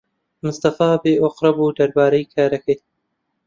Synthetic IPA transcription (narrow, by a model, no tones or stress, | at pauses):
mʊst̪ɐfaːbeːʔoqɾɐbuːd̪ɐɾbaːɾɐjkʰaːɾɐkej